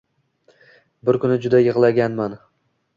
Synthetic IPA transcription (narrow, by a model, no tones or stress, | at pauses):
bɪɾkʰʊnɪd͡ʒʊd̪ajɨʁlˠaɡʲanman